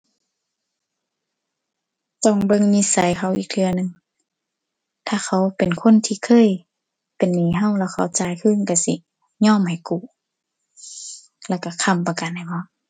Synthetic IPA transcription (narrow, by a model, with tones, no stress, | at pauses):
t̪ɔ˧˩˨ŋbɤ˧˨ŋni˧˥˨sa˨˦jkʰa˧˩wʔiː˨˩k̚lʰɯ˧ɐnɯ˨ŋ | t̪ʰaː˧˨kʰa˧˦wpe˨nkʰo˧˥˨nt̪ʰiː˧˨kʰɤː˧˥˨j | pe˨nːiː˨˦ɦa˧˨wlɛː˧˩wkʰa˧˩wt͡ɕaː˧jkʰɯː˧˥˨nka˧˩si˧˦ | ɲɔː˧˨mha˨˩jku˧˩˨ | lɛː˧˩˨wka˧˩kʰa˧˨mpa˧ka˨nha˨˩jbɔ˧˦